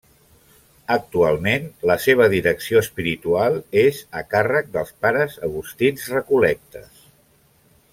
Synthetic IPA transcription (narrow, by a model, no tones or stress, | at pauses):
ək̚t̪ualˠmenləseβ̞əðiɾəksioəspiɾit̪ualˠezəkarək̚d̪əlˠspaɾəzəɣust̪inzrəkulɛk̚t̪ə̰s